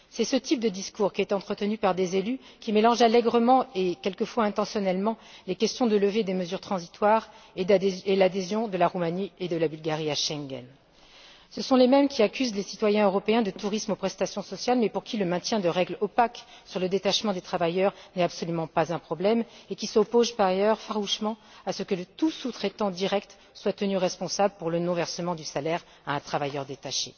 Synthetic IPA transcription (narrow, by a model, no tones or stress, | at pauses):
sɛsət̪ip̚d̪əd̪iskuʁkʲiɛt̪ɑ̃t̪χət̪ənypaʁd̪ezelykʲimelɑ̃ʒalɛɡʁəmɑ̃ekʲɛlkəfwaɛ̃t̪ɑ̃sjɔnɛlmɑ̃lekʲɛst̪jɔ̃d̪ələved̪eməzyʁt̪χɑ̃zit̪waʁ | elad̪ezjɔ̃d̪əlaʁumanied̪əlabylɡaʁiaʃɛ̃ŋɡɛ̰n | səsɔ̃lemɛmkʲiakʲyzlesit̪wajɛ̃øʁɔpeɛ̃d̪ət̪uʁismopχɛst̪asjɔ̃sɔsjalmɛpuʁkʲiləmɛ̃t̪jɛ̃d̪əʁɛɡlɔpaksyʁləd̪et̪aʃmɑ̃d̪et̪χavajœʁnɛt̪apsɔlymɑ̃pazɛ̃pχɔblɛmekʲisɔpozpaʁajœʁfaʁuʃmɑ̃asəkələt̪usut̪χɛt̪ɑ̃d̪iʁɛkt̪ | swat̪ənyʁɛspɔ̃sabləpuʁlənɔ̃vɛʁsəmɑ̃d̪ysalɛʁ | aɛ̃t̪χavajœʁd̪et̪aʃḛ